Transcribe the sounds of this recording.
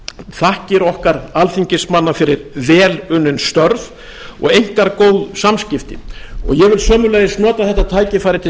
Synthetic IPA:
θahcɪɾʏɔhkaɾalθiɲcɪsmanːafɪɾɪɾvɛːlʏnːʏnst̪œɾv | ɔ̰ɣejŋ̥kaɾkoːwðsamscɪft̪ɪ̰ɔ̰ɣjɛɣvɪlsœːmʏlɛːðɪsnɔːt̪aθɛht̪ːat̪ʰaːjcɪfaːjɾɪt̪ʰɪ

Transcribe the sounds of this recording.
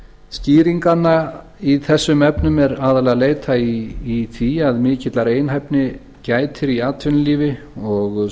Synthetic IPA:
sciːɾiŋkanːa | iθɛsːʏmɛpnʏmɛɾaːðalɛɣaleːjt̪ʰaiːθiaðmɪːcɪt̪laɾeːjnɦajpnɪ | caːjt̪ʰɪɾiaːt̪ʰvʏnliːvɪ | ɔɣ

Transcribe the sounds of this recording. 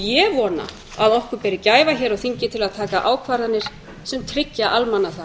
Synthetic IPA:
jɛvɔːna̰ | aðɔhkʏɾpɛɾɪcaːjvaçɛːɾaɣθiɲcɪt̪ʰɪlaðt̪ʰaːkaʔaːwkʰvaːɾanːɪɾ̥ | sɛmt̪ʰɾɪcːaʔalmanːaθa

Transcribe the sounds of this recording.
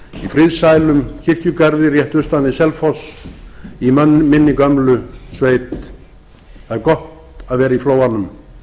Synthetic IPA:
ifɾɪðsajlʏmcʰɪr̥cʏkaɾðɪrjɛht̪ʏst̪anðɪsɛlfɔs | imɪnːɪkœmlʏsveːjt̪ | aɾkɔht̪ | aðvɛːɾaifloːwanʏm

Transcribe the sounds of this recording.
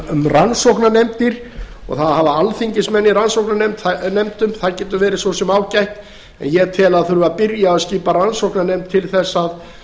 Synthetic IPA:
mransowknanɛmt̪ɪɾ̥ | ɔ̰ɣθaðhavaalθiɲcɪsmɛnːiɾansowknanɛmt̪θanɛmt̪ʏmθaðcɛːt̪ʏvɛːɾɪsvosɛmaːwcajht̪ | ɛ̰njɛt̪ʰɪlaðθɾʏaðpɪɾjaaðsciːparansowhknanɛjmt̪ʰːɪlθɛsːað

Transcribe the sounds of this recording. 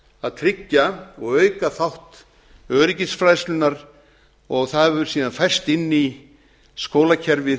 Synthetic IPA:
aðt̪ʰɾɪcːaɔɣœːɥkaθawht̪ | œːɾɪcɪsfɾaːjslʏnaɾ | ɔɣθaðvʏɾ̥siːðanfajr̥st̪ɪnːi | skoːwlacʰɛɾvɪ

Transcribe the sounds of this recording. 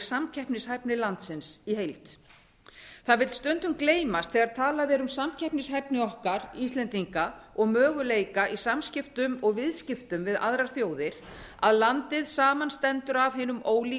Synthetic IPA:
samcʰɛhpnɪshajpnɪlant̪sɪnsiɦejlt̪ | θaðvɪlt̪st̪ʏnt̪ʏmkleːjmast̪θɛɣaɾt̪ʰaːlaðɛːɾʏmsamcʰɛhpnɪshajpnɪɔhkaɾist̪lɛnt̪iŋkaɔɣmœːɣʏleːjkaʔisamscɪft̪ʏmɔɣvɪðscɪft̪ʏmvɪða̰ðɾaɾ̥θjoːwðɪɾ̥ | aðlant̪ɪðsaːmanst̪ɛnt̪ʏɾavɦɪːnʏmoːwli

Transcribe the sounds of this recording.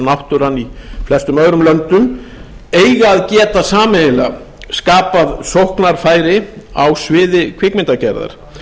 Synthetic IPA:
nawht̪ʏɾanːiflɛst̪ʏmœɣɾʏmlœnt̪ʏm | ejɣaːðcɛːt̪asaːmɪɪla | skaːpaðsowhknaɾ̥faːjɾɪa̰wsvɪːðɪkʰvɪkmɪnt̪acɛɾða̰ɾ̥

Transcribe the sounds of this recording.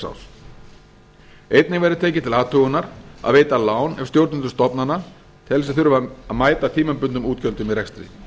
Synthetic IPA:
sa̰ws | ejt̪nɪvɛjɾʏt̪ʰeːcɪt̪ʰɪlaːt̪ʰʏɣʏnaɾa̰ðveːjt̪alaːwnɛfst̪jowɾt̪nʏnt̪ʏst̪ɔpnana | t̪ʰɪls̬ɛθʏɾʏvaaðmaːjt̪at̪ʰiːmʏmpʏnt̪ʏmuːt̪cœnt̪ʏmiðrɛkst̪ɾḭ

